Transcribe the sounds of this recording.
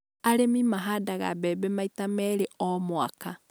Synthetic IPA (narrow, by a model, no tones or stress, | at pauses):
aɾemimaɦaːdaɣa̰bɛbɛmaitamɛɾeɔmwa̰ka